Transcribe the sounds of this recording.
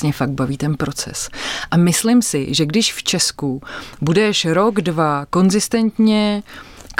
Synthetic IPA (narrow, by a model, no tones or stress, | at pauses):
ɲɛfaɡ̪̚baviːt̪ɛnpɾo̞t͡sɛ̰sʔamɪslɪmsɪ̰ʒɛɡdɪʃft͡ʃɛskubudɛʃɾo̞ɡdvako̞nzɪst̪ɛnt̪ɲɛk